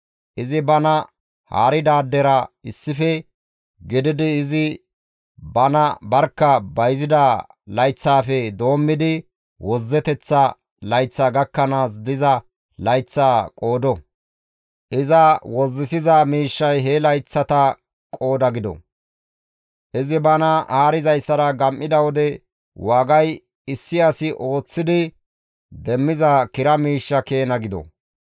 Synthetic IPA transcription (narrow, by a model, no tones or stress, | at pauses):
ʔɪzɪbɐnɐ | ha̰ːɾɪd̪aːd̪ːɛɾɐɪsːɪfɛ | ɡɪd̪ɪd̪ɪːzɪ | bɐnɐbɐɾkːɐbɐjzɪd̪ɐ | lɐjt͡sːaːfɛd̪o̞ːmːɪd̪ɪ | wɔzːɛt̪ɛt͡sːɐ | lɐjt͡sːaːɡɐkːɐnaːs̬d̪ɪzɐ | lɐjt͡sːaːkʼo̞ːd̪ɔ | ʔɪzɐwɔzːɪsɪzɐmiːʃːɐjɦɛlɐjt͡sːɐt̪ɐ | kʼo̞ːd̪ɐɡɪd̪ɔ̰ | ʔɪzɪbɐnɐʔaːɾɪzɐjsːɐɾɐɡɐmʔɪd̪ɐwɔd̪ɛ | waːɡɐj | ɪsːɪasɪʔo̞ːt͡sːɪd̪ɪ | d̪ɛmːɪzɐkɪɾɐmiːʃːɐke̞ːnɐɡɪd̪ɔ̰